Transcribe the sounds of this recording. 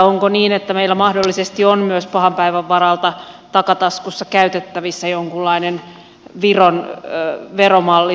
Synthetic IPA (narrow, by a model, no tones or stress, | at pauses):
oŋkoniːnet̪ːæmeilːæmɑhdolːisest̪ionmyøspɑhɑmpæiʋæʋːɑɾɑlt̪ɑ | t̪ɑkɑt̪ɑskusːɑkæyt̪et̪ːæʋisːæjoŋkulːɑinen | ʋiron | ʋeromɑlːi